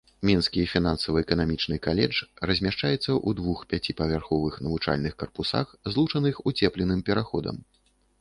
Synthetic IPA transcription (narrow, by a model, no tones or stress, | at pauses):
mʲinskʲifʲin̪ansɐvɐɛkɐnamʲit͡ʂnɨkalʲɛ̰d͡ʐrɐzʲmʲaʂt͡ʂajɛt̪sːɐʔud̪vuxpʲat͡sʲipɐvʲarxɔvɨxnɐvut͡ʂa̰lʲnɨxkɐrpusa̰xzlˠut͡ʂɐnɨxut͡sʲɛplʲɛnɨmpʲɛɾaxɔd̪ɐ̰m